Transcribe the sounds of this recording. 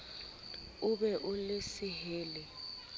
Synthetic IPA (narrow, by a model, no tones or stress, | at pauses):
uɓɛʔulesiɦeːlɛ